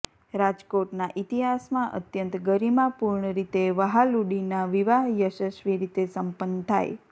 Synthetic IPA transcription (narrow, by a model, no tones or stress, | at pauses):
ɾad͡ʒkoʈnaʔit̪iɦasmãʔə̰t̪jənt̪ɡəɾimãpuɾɳəɾit̪eʋəɦaluɽinaʋiʋaɦjəʃəʃʋiɾit̪esəmpənːt̪ʰa̰j